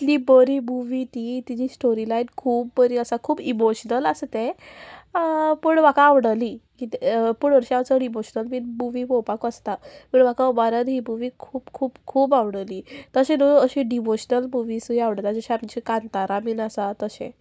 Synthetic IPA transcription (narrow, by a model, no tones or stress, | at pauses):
it̪libəɾimuʋit̪it̪id͡ʑisʈoɾilajnkʰuːbbəɾiəsakʰuːbimoɕnələst̪e | puɳʋakãːʋɽəlikit̪epuɽəɾɕiamt͡səɽimoɕnəlmiːnmuʋibopakəst̪apəɳʋakabaɾəɾɦimuʋikʰuːbkʰuːbkʰuːbaʋɽəliːt̪əɕẽnoəɕĩɖiʋoɕnəlmuʋisuiaʋɽət̪ad͡ʑəɕeamt͡ɕikant̪aɾamiːnasat̪əɕḛ̃